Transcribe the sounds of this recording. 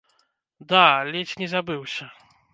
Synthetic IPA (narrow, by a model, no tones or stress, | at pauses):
d̪alʲɛt͡ɕɲʲɛzabɨwɕɛ